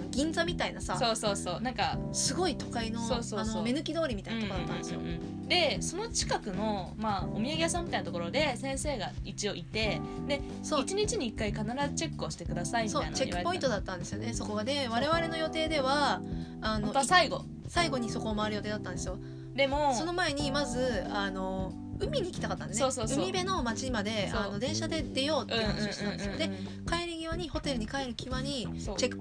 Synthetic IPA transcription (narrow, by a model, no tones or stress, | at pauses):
ɡʲĩnd͡zamʲit̪ainasaso̞ːso̞ːso̞ːnãŋkasɨɡo̞it̪o̞kaino̞soːsoansoome̞nɯ̟kʲid̪o̞ːɾʲimit̪ainaooat̪ːãnd̪esɨjo̰ɯ̃ː | d̪e̞so̞no̞t͡ɕi̥kakɯ̟no̞maomʲiaɡʲijasãmʲːit̪ainat̪okoɾo̞d̪e̞sẽ̞ɰ̃se̞ːɡait͡ɕio̞ʔit̪e̞d̪e̞ | soit͡ɕiɲ̟it͡ɕiɲ̟iːkːaikanaɾazɨt͡ɕe̞kːɯ̟oɕi̥t̪ekɯ̟d̪asaiisoaint͡ɕekiːɯaɾpo̞ĩt̪d̪at̪ːãnd̪e̞sɨjo̞ne̞so̞ko̞ɡad̪e̞β̞aɾe̞β̞aɾe̞no̞jo̞t̪e̞ːd̪e̞βaː | no̞saiɡo̰ | saiɡo̞ɲ̟iso̞ko̞ːmaβːɾɯjo̞t̪e̞ːd̪at̪ːãnd̪esɨjo̞ | d̪e̞moso̞no̞mae̞ɲ̟imazɨano̞ | ɯ̟mʲiɲ̟iːkʲit̪akat̪ːanesosoːɯ̟mibe̞no̞mat͡ɕimad̪e̞no̞d̪ẽ̞ɰ̃ɕad̪e̞d̪e̞jo̞ːt̪ːeñːnsonãnd̪sɨ̃jod̪e̞ | kaeɾɯ̟ɡʲiβaɲ̟iho̞t̪e̞ɾɯ̟ɲ̟ikae̞ɾɯ̟kʲiβaɲ̟i | t͡ɕekːɯ̥